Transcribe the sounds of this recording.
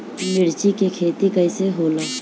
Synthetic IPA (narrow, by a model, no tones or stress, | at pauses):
mɪɽt͡ʃikekʰeːt̪ikəɪseɦoːləː